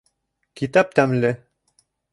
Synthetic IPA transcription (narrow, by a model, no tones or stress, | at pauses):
kit̪ɑp̚t̪æmlɘ